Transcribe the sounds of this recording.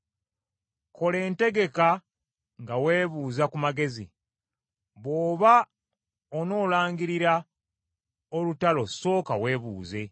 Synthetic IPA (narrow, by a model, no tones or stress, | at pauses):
ko̞le̞ːnte̞ɡe̞ka | ŋɡawe̞ːβuːzakumaɡe̞zḭ | βo̞ːβa | ono̞ːlaːŋɡiɾiɾa | olutalo̞so̞ːkawe̞ːβṵːze̞